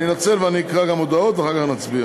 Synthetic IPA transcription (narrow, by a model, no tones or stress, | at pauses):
ninat͡sɛlvəanikʁaɡamɔd̪aot̪vaχakaχnat͡sbia